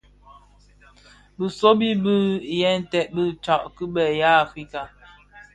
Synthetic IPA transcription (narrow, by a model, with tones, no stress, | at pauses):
bə˨so˦bi˦bə˦jɛ˦n̩˨tɛ˨ʔ̚bə˦t͡ʃa˨ʔkə˦bɛ˨ja˦a˨fɾi˦ka˨